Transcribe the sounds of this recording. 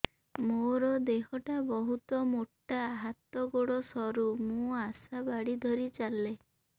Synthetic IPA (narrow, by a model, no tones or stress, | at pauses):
moɾɔd̪ekɔʈabɔɦut̪ɔmoʈːaːɦat̪ːɔɡoɽɔsɔɾumũasabaɽid̪ʱɔɾit͡ʃalːe